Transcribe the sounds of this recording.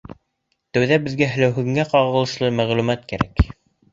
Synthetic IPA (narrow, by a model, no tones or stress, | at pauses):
t̪æwðæbɘ̆ðɡæɦɘ̆læwɦɵ̆ɣɘ̆ŋæqɑʁɤ̆lˠɤ̆ʃlˠɤmæʁlʉmæt̪kæɾæk